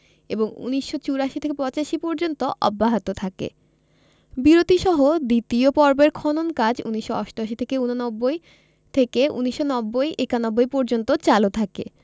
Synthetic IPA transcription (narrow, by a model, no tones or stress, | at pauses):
ḛboŋṵniʃːot͡ɕuɾaʃit̪ʰekepɔt͡ɕaʃipɔɾd͡ʑont̪oʔɔ̰bːaɦat̪ot̪ʰakḛ | biɾot̪iʃɔɦod̪it̪iopɔɾbeɾkʰɔnonkad͡ʑuniʃːoa̰ʃʈoaʃit̪ʰekeunonɔbːoj | t̪ʰekeṵniʃːonɔbːojʔekanɔbːojpɔɾd͡ʑont̪ot͡ɕalot̪ʰakḛ